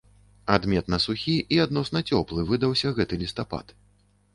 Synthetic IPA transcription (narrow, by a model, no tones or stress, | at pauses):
ad̪mʲɛt̪nɐsuxʲiʔiad̪nɔsnɐt͡sʲɔplˠɨvɨd̪ɐwsʲɐɣɛt̪ɨlʲist̪apa̰t̪